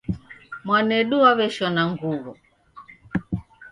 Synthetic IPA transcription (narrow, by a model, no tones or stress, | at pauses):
mwanɛɗuaβɛʃɔnaŋɡuɣu